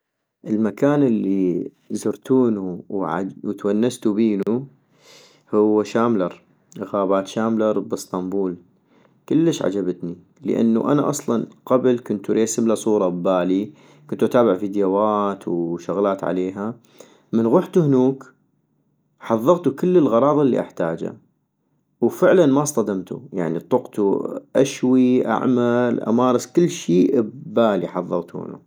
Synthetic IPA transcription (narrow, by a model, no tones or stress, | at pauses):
ʔəlmakaːnəlːi | zʊɾt̪ʰuːnuwʕawt̪wanːast̪ubiːnu | hʊwːaʃaːmlɑɾˤ | ʔɣaːbaːt̪ʃaːmlɑɾˤbɨst̪ˤɑmbuːl | kəlːəʃʕa̰d͡ʒabat̪ni | lə̰ʔa̰nːṵʔa̰naʔɑsˤlɑnqablkʊnt̪uɾʔeːsɪblasˤuːɾˤɑbaːli | kʊnt̪uʔat̪aːbɪʕfid̪jawaːt̪ʰwʃʊɣlaːt̪ʕa̰leːɦa | mənɣʊħt̪uhnuːk | ħɑðˤːɑɣt̪ukəlːəlɣɑɾˤɑːðˤɪlːḭʔa̰ħt̪aːd͡ʒa̰ | wfɪʕlanmasˤt̪ˤɑd̪amt̪ṵja̰ʕnit̪ˤːʊqt̪ṵʔaʃwiʔa̰ʕmalʔa̰mɑːɾˤɑskɪlːʃiːʔbaːliħɑðˤːɑɣt̪ṵhnṵ